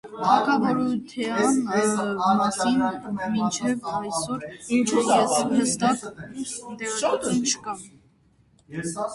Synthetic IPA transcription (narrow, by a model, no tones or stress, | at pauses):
ɑkʰɑvɔɾut̪ʰɛɑn | ɑsinmint͡ʃʰɛvɑjsɔɾint͡ʃʰuɛhəst̪ɑk̪ | d̪ɛɔnt͡ʃʰkɑm